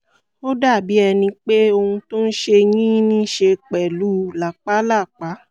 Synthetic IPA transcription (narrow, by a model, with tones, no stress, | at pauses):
o˦da˦˨bi˨˦ɛ˧nĩ˧k͡pe˦o˧hũ˧to˦n̩˦ʃe˧j̃ĩ˦nĩ˦ʃe˧k͡pɛ˨lu˨˦la˨k͡pa˦la˦˨k͡pa˨˦